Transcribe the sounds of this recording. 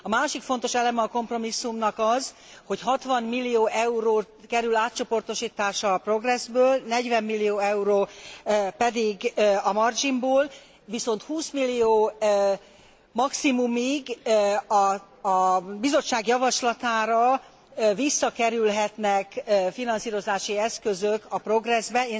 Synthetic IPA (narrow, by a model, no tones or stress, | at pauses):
ɒmaːʃikfo̞nt̪o̞ʃɛlɛmɛɒko̞mpro̞misːumnɒkɒz | ho̞cɦɒt̪ʋɒnmilːijoːʔɛuɾoːt̪kɛɾylaːt̪̚t͡ʃo̞po̞rt̪o̞ʃiːt̪aːʃɒpro̞ɡrɛzbøːlnɛɟʋɛmːilːijoːɛuɾoː | pɛd̪iɡɒmɒrd͡ʒimboːl | viso̞nt̪huːsmilːijoː | mɒksimumiɡɒ | bizo̞t͡ʃt͡ʃːaːɡjɒvɒʃlɒt̪aːɾɒ | visːɒkɛɾylɦɛt̪nɛkːfinɒnsiːɾo̞zaːʃiɛskøzøkɒpro̞ɡrɛzbɛeː